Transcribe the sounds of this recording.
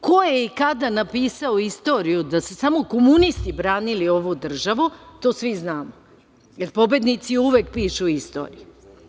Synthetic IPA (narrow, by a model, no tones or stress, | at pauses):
ko̞jeikad̪anapiːsaoist̪o̞ːɾijud̪ase̞samo̞komunist̪ibɾaːnilio̞ʋud̪r̩ʒaʋut̪o̞ːsʋiznaːmo | jeɾpo̞bje̞d̪nit̪siuʋeːk̚piːʃuist̪o̞̰ːɾḭju